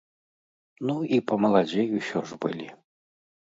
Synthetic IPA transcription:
nuipɐmɐlˠad͡zʲɛjuɕʲɔʐbɨ̰lʲi

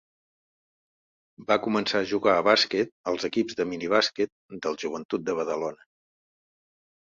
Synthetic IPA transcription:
bakumənsaəʒuɣaəβaskɛt̪̚əlˠzəkibzðəminiβ̞askɛt̪̚d̪əlˠʒuβ̞ənt̪ut̪̚d̪əβəðəlonə

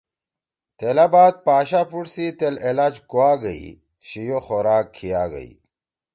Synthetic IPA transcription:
t̪eːlabaːt̪̚paːɕaːpuɽsit̪elelaːd͡ʑkoaːɡɐḭ | ɕijoxoɾaːkʰːijaːɡɐ̰ḭ

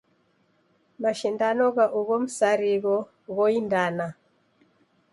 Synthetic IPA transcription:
maʃindanɔɣaʔuɣɔm̩saɾiɣɔ | ɣɔindana

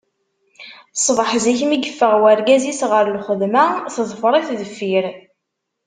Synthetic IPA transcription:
sˤvˤəħziçmiɡəfːəʁwæɾɡæzisʁəɾlχəðmæθðˤfɾˤiθðəfːiɾ

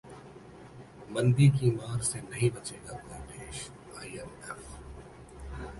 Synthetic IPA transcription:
mɐ̃nd̪ik̬imaːɾsenɐɦĩbɐt͡ʃeːɡakɔːɾpeːʃ | aːijɐɾɛf

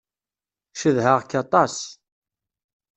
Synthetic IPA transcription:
ʃəðɦəʁkːɑt̪ˤɑs

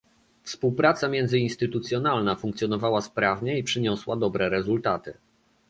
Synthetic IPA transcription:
fspuwpɾat̪samʲjɛnzɘinst̪ɘt̪ut̪sʲjɔnalnafuŋkt̪sʲjɔnɔvawaspɾavɲɛipʂɘɲɔswad̪ɔbɾɛɾɛzult̪at̪ɘ

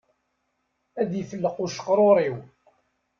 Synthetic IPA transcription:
æðijfəlːəqʊʃə̥qːɾˤoɾˤiw

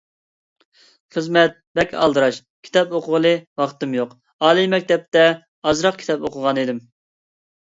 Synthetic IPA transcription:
χəzmɛt̪̚bɛkʲʰɑ̰lˠd̪ɨɾɑʃ | kʲʰi̥t̪ɛpoqʰʊʁəlˠɨwɑχt̪ɨmjoq | ɑːlˠimɛkʲt̪ɛp̚t̪ɛ | ɑzɾɑq̚kʲʰi̥t̪ʰɛpoqʰʊʁɑnid̪ɪm

